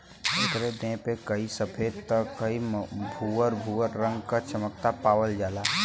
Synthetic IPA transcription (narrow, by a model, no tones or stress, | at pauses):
et̪ɾed̪ẽpekəisəpʰeːd̪t̪əkːəibʱuəɾbʱuəɾɾə̃ŋɡkat͡ʃʰəmək̚t̪apaːwəld͡ʒaːlaː